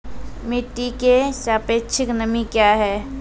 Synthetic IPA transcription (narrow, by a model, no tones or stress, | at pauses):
mɪʈːikeʃaːpeːt͡ʃʰɪknəmikjaːɦɛː